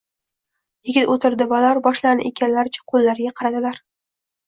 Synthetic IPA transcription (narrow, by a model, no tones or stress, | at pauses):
jɪɡʲɪt̪ot̪ɪɾd̪ɪbalaɾbɒʃlanɪ̰ʔekʲʰanlaɾɪt͡ʃʰḁqʰolːaɾɡʲaqʰɑɾad̪ɪlaɾ